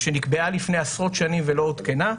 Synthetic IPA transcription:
ʃenikbe̞alifne̞jasʁo̞t̪ʃanimvelo̞ut̪kena

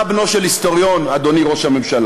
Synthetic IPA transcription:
bno̞ʃelhist̪o̞ʁjo̞nad̪o̞niʁo̞ʃhamemʃal

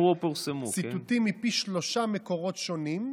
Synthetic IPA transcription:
opelusemusit̪ut̪imːipiʃlo̞ʃamekoʁot̪ʃonim

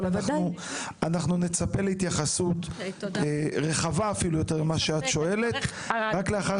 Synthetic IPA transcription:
anaχnu | anaχnune̞t͡sape̞leit̪jaχasut̪ | ʁe̞χavaːfilujo̞te̞ʁlemaʃeat̪ʃo̞e̞le̞t̪ | ʁakleaχa

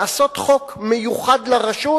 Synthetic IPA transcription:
aso̞t̪χo̞kmejuχad̪leʁaʃu

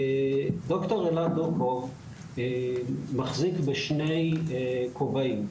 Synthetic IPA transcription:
d̪oktoʁelandukov | maχzikbeʃnejkʰobaim

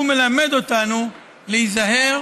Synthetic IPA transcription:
ume̞lame̞d̪o̞tanu | leizaɦe̞

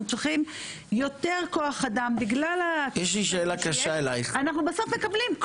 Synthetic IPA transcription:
t͡sʁiχim | jo̞te̞ʁko̞aχadambiɡlalajɛʃliʃ̬eːlakaʃaelajχanaχnubaso̞fme̞kablimk

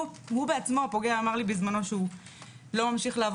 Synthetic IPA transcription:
hubeat͡smo̞po̞ɡeaːmaʁlibizmano̞ʃeu | lo̞mamʃiχleav

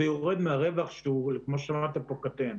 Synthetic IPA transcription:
ejoʁed̪meaʁe̞vaχʃeulekmo̞ʃamat̪apo̞kat̪en

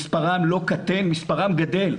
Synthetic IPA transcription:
spaʁamlo̞kat̪enmispaʁamɡad̪e̞l

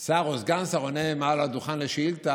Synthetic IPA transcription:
saʁosɡansaʁonemalad̪uχanleʃilt̪a

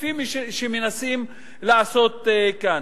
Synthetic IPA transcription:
imiʃʃiminasim | laʔasot̪ːeka

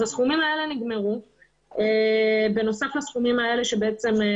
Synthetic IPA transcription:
asχumimae̞le̞niɡme̞ʁu | ebe̞no̞saflasχumimae̞le̞ʃe̞be̞et͡se̞m

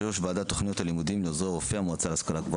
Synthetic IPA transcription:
eoʃbaːd̪at̪o̞χnijo̞t̪halimud̪imleozʁeʁofeamuat͡salaskalakba

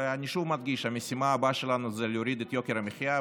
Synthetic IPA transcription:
eaniʃuvmad̪ɡiʃhamesimaːbaʃelanuzɛlejoɾid̪ɛt̪jokeɾameχja

